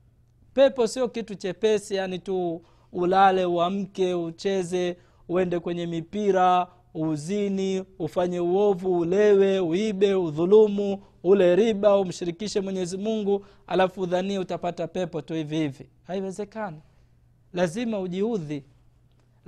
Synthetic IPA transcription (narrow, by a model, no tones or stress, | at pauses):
pɛpɔsiɔkitut͡ʃɛpɛsijanituː | lalɛuam̩kɛut͡ʃɛzɛ | uɛndɛkwɛɲɛmipiɾa | uziniufaɲɛuɔvuːlɛwɛuiɓɛuðulumu | ulɛɾiɓaum̩ʃiɾikiʃɛmwɛɲɛzimuŋɡu | a̰lafuːðaniɛutapatapɛpɔtuhivihivi | haiwɛzɛkani | lazimauʄiuði